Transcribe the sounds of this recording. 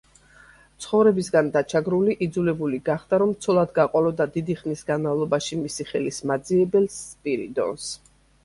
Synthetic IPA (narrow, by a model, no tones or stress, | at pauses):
t̪sʰχɔvɾɛbisɡand̪at͡ʃʰaɡɾuliʔid̪zulɛbuliɡaχd̪aɾɔmt̪sʰɔlˠad̪ɡaqʼɔlɔd̪ad̪id̪iχnisɡanmavlˠɔbaʃimisiχɛlismad̪ziɛbɛlspʼiɾḭd̪ɔ̰ns